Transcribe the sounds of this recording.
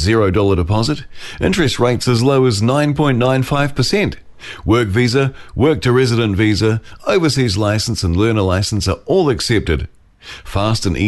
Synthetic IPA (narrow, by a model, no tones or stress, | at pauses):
zɪɹoʊdɔlˠə˞ɾəpʰɑzɨɾʔɪ̰̃nt͡ʃɹ̥ɨst̚ɹeɪtsɨzloʊɨznãɪ̃npʰɔ̃ɪ̃nːãɪ̃nfaɪv̥pʰəsɛ̃nt | wɜ˞kvizəwɜ˞k̚tʰɨɹɛzɨɾɨ̃ntvizəoʊvəsizlaɪsn̩sə̃n̩lɜ˞nə˞laɪsn̩sə˞ɔlˠɨksɛp̚tɨd̥ | fæstɨ̃nʔḭ